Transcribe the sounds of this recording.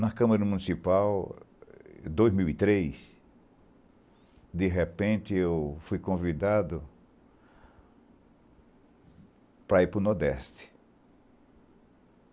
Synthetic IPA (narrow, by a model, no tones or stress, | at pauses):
nɐkɐ̃mɐɾɐmũnisipaw | d̪ojzmiwit̪ɾejs | d̪ɪɦepẽnt̪ɪewfujkõvid̪ad̪ʊ | pɾaipɾʊnɔɾd̪ɛst̪ɪ̥